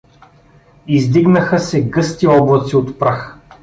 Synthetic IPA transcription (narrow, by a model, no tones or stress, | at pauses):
izd̪iɡnəxəsɛɡɤst̪iɔblˠɐt̪siot̪pɾax